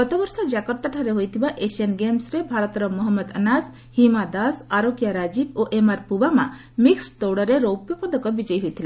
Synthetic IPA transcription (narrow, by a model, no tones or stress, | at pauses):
ɡɔt̪ɔbɔɾsɔd͡ʒakɔɾt̪aʈʰaɾeɦojt̪ʰibaʔeʃiɔnɡemsɾebʱaɾɔt̪ɔɾɔmɔɦɔmːɔd̪ənas | himad̪asaɾokjaɾad͡ʒiboʔemaɾpubamã̰ | mikst̪oɽɔɾeɾowpjɔpɔd̪ɔkɔbid͡ʒɔjɦojt̪ʰile